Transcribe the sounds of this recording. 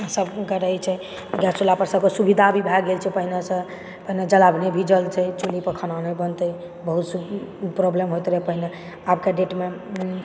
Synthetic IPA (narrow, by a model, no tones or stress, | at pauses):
səbɡəɾəjt͡ʃʰɛ | ɡɛsolapəɾsəbkəsubid̪ʱabʱibʱɛɡelt͡ʃʰɛpəɦinesə̃ | pəɦined͡ʒəlabnebʱid͡ʒəlt͡ʃʰɛt͡ʃolipəkʰənanəbənt̪əj | bəɦut̪supɾoblemɦojt̪ɾɛpəɦine | abkeɖeʈme